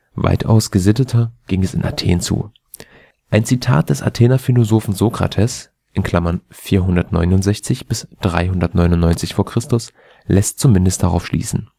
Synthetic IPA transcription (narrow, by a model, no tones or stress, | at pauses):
va̰ɪtʰʔa̰ʊsɡ̥əzɪtətʰɐɡ̥ɪŋɛsɪ̰nʔa̰tʰḛːnt͡sṵː | ʔaɪnt͡sitʰa̰ːt̚d̥ɛsa̰tʰeːnɐfilozoːfn̩zokʁ̥a̰tʰɛs | ʔɪnkʰl̥amɐnfiːɐɦʊndɐtnɔ̰ʏnʊntz̥ɛçt͡sɪçb̥ɪsd̥ʁa̰ɪɦʊndɐtnɔʏnʊnːɔʏnt͡sɪçfoːɐkʁ̥ɪstʊs | lɛst̚t͡sumɪndəstd̥aʁa̰ʊfʃlḭːsn̩